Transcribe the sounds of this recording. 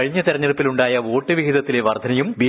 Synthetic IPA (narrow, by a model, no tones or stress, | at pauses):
ɐɻiɲːɐt̪eɾɐɲːeɽpːiluɳɖaːjɐo̞ːʈːɨʋiɦiðɐt̪ːile̞ʋɐrd̪ʱɐnɐjumʋi